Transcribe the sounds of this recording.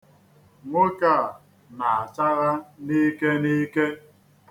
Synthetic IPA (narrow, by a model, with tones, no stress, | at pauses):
ŋʷo˦ka˦˨ | na˨a˨t͡ʃa˦ɣa˦ni˦ke˦ni˦ke˦